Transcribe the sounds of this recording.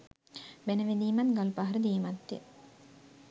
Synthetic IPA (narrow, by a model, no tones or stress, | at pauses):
benəʋed̪iːmat̪ɡalpaɦɐɾəd̪iːmat̪ːḛ